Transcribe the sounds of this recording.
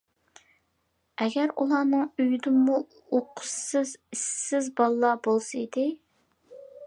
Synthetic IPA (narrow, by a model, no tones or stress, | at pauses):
ɛɡʲæɾṵlˠɑːnɨŋyjd̪ɪːu | oqʰʊ̥ssɨzisːɪzbɑlˠlːˠɑbolˠsɨid̪ɪ